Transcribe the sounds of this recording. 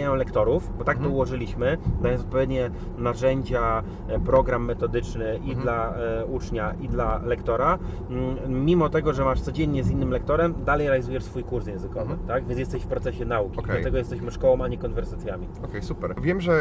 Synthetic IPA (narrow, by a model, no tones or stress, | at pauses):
jɔ̃mlɛkt̪ɔɾufbɔt̪ak̚t̪ɔuwɔʐɘlʲiɕmɘd̪ajɔnɔt̪̚pɔvjeɛd̪ɲɛ | naʐɛɲd͡ʑa | pɾɔɡɾamːɛt̪ɔd̪ɘt͡ʂnɘʔid̪laut͡ʂɲaʔid̪lalɛkt̪ɔɾa | mʲimɔt̪ɛɡɔʐɛmaʂt̪sɔd͡ʑeɲːɛzinːɘmlɛkt̪ɔɾɛmd̪alɛjɾɛalʲizujɛʂsfujkuɾsjɛ̃ñzɘkɔvɘt̪aɡvʲɛnsjɛst̪ɛɕfpɾɔt̪sɛɕɛnaukʲdɛlat̪ɛɡɔjɛst̪ɛɕmɘʂkɔwɔmaɲɛkɔnvɛɾsat̪sʲjamʲiɔkɛjsupɛɾvʲjɛmʐɛ